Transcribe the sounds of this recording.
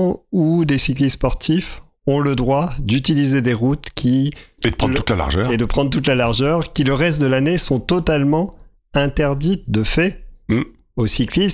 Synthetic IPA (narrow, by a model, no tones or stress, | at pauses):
ud̪esiklispɔʁt̪ʰif | ɔ̃ləd̪ʁwad̪yt̪ilized̪eʁut̪kʲʰied̪əpʰɑ̃t̪ut̪lala̰ʁʒœed̪əpχɑ̃d̪ʁt̪ut̪lalaʁʒœʁkʲiləʁɛst̪̚d̪əlanesɔ̃t̪ɔt̪almɑ̃ | ɛ̃t̪ɛʁd̪it̪̚d̪əfɛ | osiklis